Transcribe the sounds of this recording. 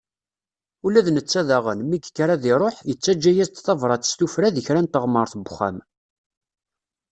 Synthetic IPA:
ulæðnət͡sːæðæʁənmiɡkːɾæðɪɾˤoħjət͡sːæd͡ʒːæjæzt̪θɑvɾˤɑθə̥st̪ufɾæðəçɾænt̪əʁməɾˤθbχːæ̰m

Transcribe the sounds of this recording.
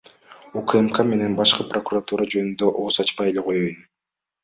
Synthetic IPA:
ukemkame̞ne̞nbɑʃqɯprokurat̪uɾad͡ʒø̞nynd̪ø̞ʔoːsɑt͡ʃpɑje̞leqʰo̞jøjn

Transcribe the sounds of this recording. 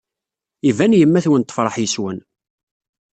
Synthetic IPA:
ivænjəmːæθwənt̪ˤːəfɾˤəħjəswən

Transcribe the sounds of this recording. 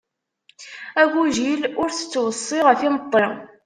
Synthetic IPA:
æɡuʒilʊɾθə̥t͡sːwəsˤːɪʁəθimət̪ˤːɾi

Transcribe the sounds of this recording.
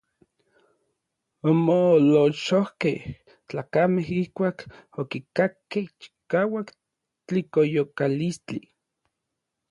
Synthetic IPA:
omoloʃohkeh | t͡ɬaːkameɦihkʷaːkokikakːeht͡ʃi̥kaːwak | t͡ɬikojokalist͡ɬi

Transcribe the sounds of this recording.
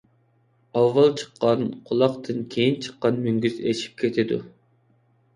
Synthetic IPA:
ɑwːɑlˠt͡ʃʰə̥qʰːɑnqʰʊlˠɑqt̪ʰɨnkʲʰejint͡ʃʰə̥qːɑnmyŋɡʲyzet͡ʃʰi̥p̚kʲʰet̪ʰɪd̪ṵ

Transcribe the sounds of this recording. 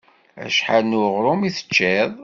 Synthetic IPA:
æ̰ʃħanuʁɾˤʊmiθə̥t͡ʃːɛðˤ

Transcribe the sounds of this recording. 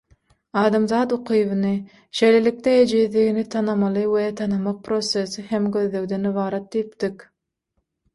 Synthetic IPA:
ɑːd̪ɑmzɑːt̪oqʰɯjβɯnɯ | ʃe̞jlelik̚t̪ɛed͡ʒiːðliɣinit̪ʰɑnɑmɑlˠɯwet̪ʰɑnɑmɑq̚pʰɾo̞sesiɦemɡø̞ðløwd̪eniβɑːɾɑt̪̚d̪ijip̚t̪ik

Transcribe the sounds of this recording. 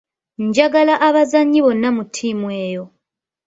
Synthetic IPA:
ɲɟaɡalaʔaβazaɲːiβo̞nːamutʰːimweːjo̞

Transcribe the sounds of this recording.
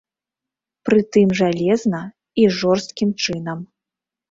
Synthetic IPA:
pɾɨt̪ɨmʐalʲɛznɐ | iʐɔrst̪̚kʲimt͡ʂɨnɐm

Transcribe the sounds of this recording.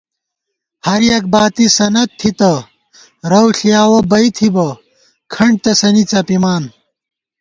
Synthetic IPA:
hɐɾjɐk̚baːt̪isɐnɐt̪̚ʰːit̪ɐ | ɾɐwɬijaːwɐbɐit̪ʰibɐ | kʰɐɳɖ̚t̪ɐsɐnit͡sɐpimaːn

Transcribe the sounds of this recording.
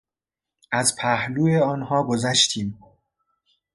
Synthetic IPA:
æzpʰæhluːeɒːnhɒːɡozæʃt̪ʰiːm

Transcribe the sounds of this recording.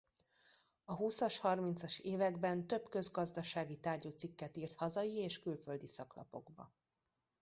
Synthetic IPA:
ɒɦusɒʃhɒrmint̪sɒʃeːvɛɡbɛnt̪ø̞bkø̞zɡɒzd̪ɒʃaːɡit̪aːrɟuːt̪sikːɛt̪iːrt̪hɒzɒjieːʃkylfø̞ld̪isɒklɒ̰po̞̰ɡbɒ̰

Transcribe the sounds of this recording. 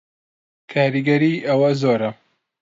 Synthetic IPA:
kʰaːɾiɡɐɾiːʔɐwɐzoːɾɐ

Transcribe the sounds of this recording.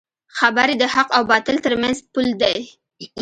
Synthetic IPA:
xabaɾed̪əhaqawbɑt̪əlt̪əɾmanzpuld̪aj

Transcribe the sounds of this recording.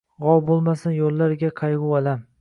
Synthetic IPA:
ʁɒwbolˠmasɪnjolːaɾɡʲaqʰɑjʁʊwalam

